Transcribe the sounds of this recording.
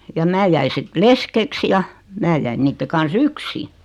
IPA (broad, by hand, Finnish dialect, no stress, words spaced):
jɑ mæː jæi sit leskeks jɑ mæː jæin niːtːe kɑns yksi